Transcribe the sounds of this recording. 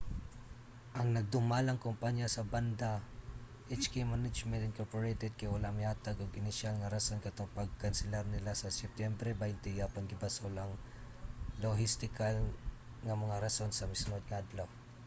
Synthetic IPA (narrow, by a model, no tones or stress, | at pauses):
ʔɐŋnɐɡ̚d̪ʊmalɐŋkompaɲjasɐband̪a | ʔɛt͡ʃkimanɪd͡ʒmɛnt̪ɪnkoɹpoɹejt̪ɛd̪̚kɐjʊlɐmɪaːt̪ɐɡoɡɪnɪʃalŋɐɾɐsonkɐt̪oŋpɐɡ̚kɐnsɛlaɾnɪlasɐsɛp̚t̪jɛmbɾɛbajnt̪ɪjapɐnɡɪbasolɐŋ | loɦɪst̪ɪkal | ŋɐmɐŋaɾɐso̞nsɐmɪsnod̪̚ŋɐʔɐd̪law